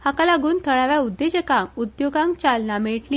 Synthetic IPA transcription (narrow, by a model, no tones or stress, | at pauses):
hakalaɡuːnt̪ʰəɭaʋjaud̪ːed͡ʑəkaud̪joɡãŋk̚t͡ɕalnameɭʈli